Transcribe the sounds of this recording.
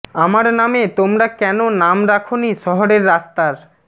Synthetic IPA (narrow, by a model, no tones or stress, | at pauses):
amaɾnamet̪omɾakɛnonamɾakʰoniʃɔɦoɾeɾːast̪aɾ